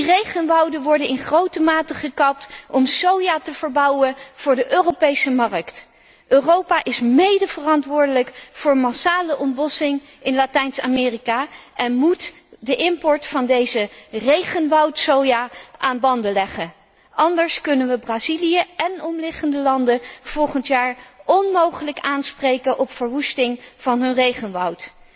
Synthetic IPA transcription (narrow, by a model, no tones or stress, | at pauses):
direjχənʋʌwdəʋɔɹdənɪnχrowtəmaːtəχəkɑp̚tɔmsowjaːtəv̥əɹbʌwənv̥ʊːɹdəʔøːropejsəmɑrəkt | ʔøːrowpaʔɪsmejdəvərɑntʋʊːɹdələkfʊːɹmasaːləʔɔmbɔsɪŋ | ɪnlaːtɛjnsa̰mɪːrikaːʔɛnmut | dəʔɪmpɔɹtfɑndejzərejχənʋɑwtsowjaːʔaːnbɑndəlɛχə | ʔɑndəɹskɵnənʋəbraːzilijəɛnɔmlɪχəndəlɑndəv̥ɔlˠχəntjaːɹɔnmowχələkaːnsprejkənʔɔpfəɹʋustɪŋv̥ɑnɦɵnrejχənʋɑwt